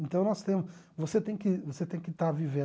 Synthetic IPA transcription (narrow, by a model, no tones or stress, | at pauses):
ẽnt̪ɐ̃w̃nɔst̪ẽmʊ | voset̪ẽj̃kɪvoset̪ẽj̃kɪt̪avivẽ